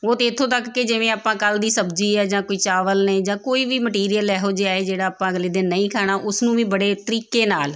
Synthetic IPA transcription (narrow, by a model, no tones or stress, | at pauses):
oːt̪eːt̪ʰːõːt̪əkːɪd͡ʒɪʋẽːaːpãːkəld̪iːsəbd͡ʒiːɛːd͡ʒãːkoːiːt͡ʃaːʋəlnẽːd͡ʒãːkoːiːʋiːməʈiːɾijəlɛːɦoːd͡ʒeaːeːd͡ʒeːɽaːaːpãːəɡliːd̪ɪnːəĩːkʰaːɽ̃aːʔʊsnũːʋĩːbəɽeːt̪əɾiːkeːnaːl